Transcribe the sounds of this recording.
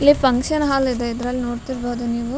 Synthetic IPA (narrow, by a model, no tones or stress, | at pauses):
lepɐŋkʃɐnɦaːlid̪ɐid̪ɾalʲnoːɾt̪iɾbɐd̪uniːʋu